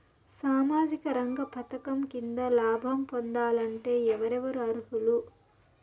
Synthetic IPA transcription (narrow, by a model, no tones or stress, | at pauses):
saːmaːd͡ʒikɐɾɐŋɡɐpʰɐt̪ɐkɐmkind̪ɐlaːbʱɐmpond̪aːlɐɳʈe̞ːɛʋɐɾɛʋɐɾuɐɾuɦulu